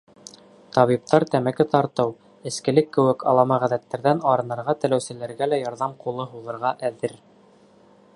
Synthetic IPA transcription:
t̪ɑβip̚t̪ɑɾt̪æmækɘt̪ɑɾt̪ɤw | ɘ̆skɘ̆lɘkːɘ̆wɘkɑ̰lˠɑmɑʁæðæt̪ːæɾðænɑɾɤ̆nɑ̆ɾʁɑt̪ɘ̆læwsɘ̆læɾɡælæjɑɾðɑmqulˠɤɦuðˠɤ̆ɾʁɑʔæðɘɾ

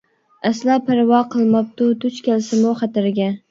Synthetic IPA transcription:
aslapʰaɾvɑqʰɨlˠmɑp̚t̪ʊt̪ʊt͡ʃkʲalsɪmoχɑt̪ɪɾɡʲa

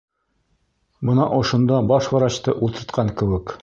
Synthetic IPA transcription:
bɤ̆nɑʔŏʃŏnd̪ɑbɑʃwɑ̆ɾɑɕt̪ɤʔulˠt̪ɤ̆ɾt̪qʰɑŋkɘ̆wɘk

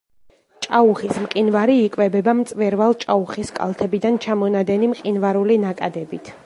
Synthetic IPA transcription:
t͡ʃʼauχismqʼinvaɾiːkʼvɛbɛbamt̪sʼvɛɾvalˠt͡ʃʼauχiskʼa̰lˠt̪ʰɛbid̪ant͡ʃʰamɔnad̪ɛnimqʼinvaɾulinakʼad̪ɛbit̪ʰ

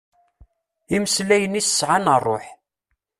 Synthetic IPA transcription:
iməslæjənisə̥sʕanərˤːoħ

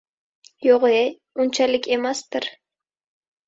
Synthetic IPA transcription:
joʁe | ʊnt͡ʃʰalɪkʲe̞mast̪ɪɾ

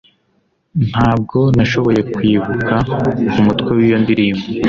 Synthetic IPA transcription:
n̥haːb̚ɡo̞naʃo̞βo̞je̞kwiːβukʰaumutkwewijondiɾiːmo

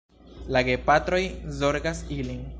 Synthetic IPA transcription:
laɡe̞patɾo̞jzo̞ɾɡasilin

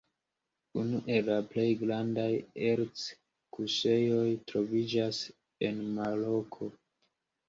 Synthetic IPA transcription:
unuʔe̞laple̞jɡɾandajeɾt͡s | kuse̞jo̞jtɾo̞vid͡ʒas | e̞nmalo̞kʰo̞

